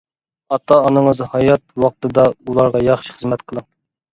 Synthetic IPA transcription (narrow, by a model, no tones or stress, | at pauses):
ɑt̪ʰːɑːnɨŋəzhɑjɑt̪̚wɑq̚t̪ɨd̪ɑulˠɑɾʁɑjɑχʃi̥χəzmɛt̪qʰəlˠɨ